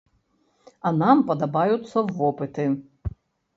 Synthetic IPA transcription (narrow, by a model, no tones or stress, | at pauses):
ɐnampɐd̪ɐbajʊt̪sːɐːɔpɨt̪ɪ